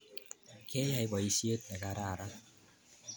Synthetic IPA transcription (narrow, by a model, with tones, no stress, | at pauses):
kɛ˦ja˨jbɔ˨i˦si˦e˦t̪̚nɛ˨ka˧ɾa˦˨ɾa˦